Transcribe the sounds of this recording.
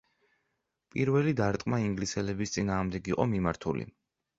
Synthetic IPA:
pʼiɾvɛlid̪aɾt̪ʼqʼmaiŋɡlisɛlɛbist̪sʼinaːʁmd̪ɛɡiqʼɔmimaɾt̪ʰṵlḭ

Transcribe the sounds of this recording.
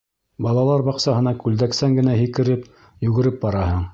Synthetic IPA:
bɑlˠɑlˠɑɾbɑqsɑɦɤ̆nɑkʉld̪æksæŋɡɘ̆næɦikɘ̆ɾɘp | jʉɡɘ̆ɾɘp̚bɑɾɑɦɤɴ

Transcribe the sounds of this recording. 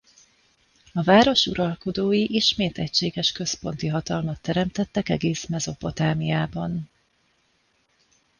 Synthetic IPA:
ɒvaːɾo̞ʃṵɾɒlko̞d̪oːjiʔiʃmeːt̪ɛct͡ʃeːɡɛʃkø̞spo̞n̪t̪iɦɒt̪ɒlmɒt̪ːɛɾɛmt̪ɛt̪ːɛkɛ̰ɡeːsmɛzo̞po̞t̪aːmijaːbɒn

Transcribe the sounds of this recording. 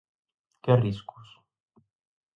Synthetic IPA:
keariskus

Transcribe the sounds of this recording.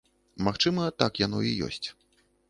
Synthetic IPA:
maxt͡ʂɨmɐt̪akjanɔijɔ̰sʲt͡sʲ

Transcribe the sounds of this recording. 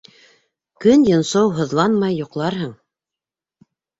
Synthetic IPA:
kɵnjɤ̆nsɤwɦŏðlˠɑnmɑjːŏqlˠɑɾɦɤɴ

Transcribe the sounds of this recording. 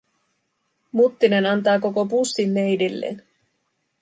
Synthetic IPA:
mut̪ːine̞nɑnt̪ɑːko̞ko̞pusːimːe̞jdilːḛːn

